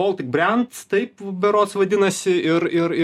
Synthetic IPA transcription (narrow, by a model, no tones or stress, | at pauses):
oːlˠt̪ʲɪk̚bʲrʲɛnt̪st̪ɐɪpbʲɛɾoːt̪sʋɐd̪ʲɪnɐsʲɪɪɾɪɾɪ